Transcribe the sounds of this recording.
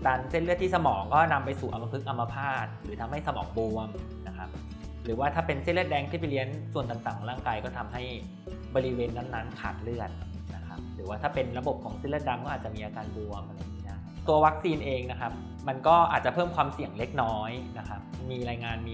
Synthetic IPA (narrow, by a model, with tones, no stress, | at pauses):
daː˧nse˥˩nlɯ˥˩t̪ʰːiː˥˩sa˧mɔː˩˦ŋkɔː˥˩na˧mpa˧jsuː˨˩ʔa˧mːa˧pʰɯ˦˥k̚ʔa˧mːa˧pʰaː˥˩t̪̚ɾɯː˩˦t̪ʰa˧mha˥˩jsa˧mɔ̰ː˩˦ŋbu˧əm | na˦˥kʰa˦˥p̚ | ɾɯː˩˦waː˥˩t̪ʰaː˥˩pe˧nse˥˩nlɯ˥˩t̪̚dɛː˦˥ŋt̪ʰiː˥˩p̬a˧jli˦˥ənsu˨˩ənt̪a˨˩ŋt̪aː˨˩ŋʰkʰːɔː˩˦ŋɾaː˥˩ŋkaː˧jkɔː˥˩t̪ʰa˧mɦa˥˩j | bɔː˧ɾi˦˥weː˧nːa˦˥˩nːa˦˥nkʰa̰ː˨˩t̪̚lɯ˥˩ət̪̚ | na˦˥kʰa˦˥p̚ɾɯː˩˦waː˥˩t̪ʰaː˥˩pe˧nɾa˧bo˨˩p̚kʰɔː˩˦ŋse˦˥˩lɯ˥˩t̪̚da˧mkɔː˥ʔaː˨˩t̪̚t͡ɕa˨˩ʔmiː˧ʔaː˧kaː˧nbu˧əmʔa˧ɾa˧jiː˦˥daː˥˩˥t̪u˧ɐwa˦˥k̚siː˧nʔeː˧ŋna˦˥kʰa˦˥p̚ | ma˧nkɔː˥˩ʔaː˨˩t̪̚t͡ɕa˨˩pʰɤː˥˩mkʰwaː˧msi˨˩əŋle˦˥k̚nɔː˦˥jna˦˥kʰa˦˥p̚miː˧ɾaː˧jŋaː˧nmiː˧